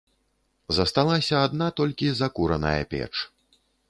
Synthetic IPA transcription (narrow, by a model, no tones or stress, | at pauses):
zɐst̪alˠasʲɐːd̪nat̪ɔlʲkʲizɐkuɾɐnɐ̰jɐ̰pʲɛ̰t͡ʂ